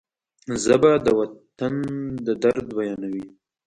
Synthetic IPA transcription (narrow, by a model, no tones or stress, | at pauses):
zəbad̪əwat̪and̪əd̪aɾd̪wajɑnawi